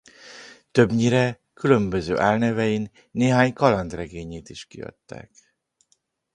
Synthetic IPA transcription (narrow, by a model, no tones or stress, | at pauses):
t̪ø̞bɲiɾɛ | kylø̞mbø̞zø̰ːʔaːlnɛvɛjinː | eːɦaːɲkɒlɒnt̪rɛɡeːɲeːt̪iʃkiɒ̰t̪ːɛ̰k